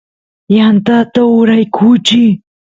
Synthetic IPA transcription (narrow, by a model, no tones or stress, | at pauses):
jant̪at̪aʊɾajkʰut͡ʃi